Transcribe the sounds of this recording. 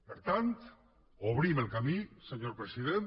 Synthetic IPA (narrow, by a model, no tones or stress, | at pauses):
pəɾt̪ant̪ | oβ̞ɾiməlˠkamisəɲoɾpɾəsiðen